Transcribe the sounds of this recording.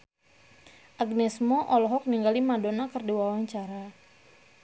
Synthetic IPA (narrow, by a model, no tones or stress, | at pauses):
ʔaɡnɛsmɔʔɔlɔɦɔk̚niŋɡalimadonakərdiwawaɲt͡ʃaɾa